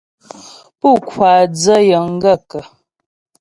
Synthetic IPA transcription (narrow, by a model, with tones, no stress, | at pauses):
pu˦˨kwa˨d͡zə˦jə˨ŋ̩˦ɡə˦˨kə˨